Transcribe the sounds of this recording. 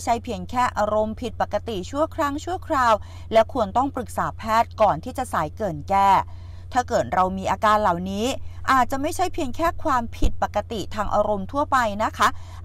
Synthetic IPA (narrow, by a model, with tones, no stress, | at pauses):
jt͡ɕʰa˦˥jpʰi˧əŋkʰɛː˥˩ʔaː˧ɾo˧mpʰi˨˩t̪̚pa˨˩kːa˧t̪i˨˩t͡ɕʰu˥˩əkʰɾa˦˥ŋt͡ɕʰu˥˩kʰɾaː˧w | lɛ˦˥wkʰu˧ənt̪ɔ˥˩ŋpɾɯ˨˩k̚saː˩˦pʰɛː˥˩t̪̚kɔː˨˩nt̪ʰiː˥˩t͡ɕa˨˩saː˩˦jkɤː˨˩nkɛː˥˩ | t̪ʰaː˥˩kɤː˨˩t̪̚ɾa˧wmiː˧ʔaː˧kaː˧nla˨˩wniː˦˥ʔaː˨˩t̪̚t͡ɕa˨˩ma˥˩jt͡ɕʰa˦˥jpʰi˧əŋkʰɛː˥˩kʰwaː˧mpʰi˨˩t̪̚pa˨˩kːa˧t̪i˨˩t̪ʰaː˧ŋʔa̰ː˧ɾo˧mt̪ʰu˥˩ɐpa˧jna˦˥kʰa˦˥